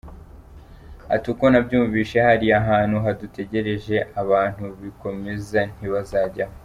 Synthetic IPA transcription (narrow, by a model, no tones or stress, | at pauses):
a̰tuko̞nabɟuːɱviːʃe̞haɾiaɦaːn̥huɦadute̞ɟe̞ɾe̞ʒe̞ʔaβaːn̥huβiko̞me̞zan̥iβazaːɟa